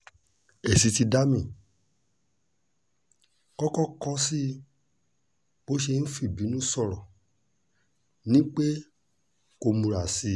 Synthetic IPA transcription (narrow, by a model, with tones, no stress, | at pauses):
e˨si˧˦ti˧da˦mĩ˨ | kɔ˦kɔ˦kɔ˦si˦ | o˨˦ʃe˧n̩˦fi˦˨bi˨˦nũ˦sɔ˦˨ɾɔ˨ | nĩ˦k͡pe˦ | ko˧mũ˧ɾa˨si˧˦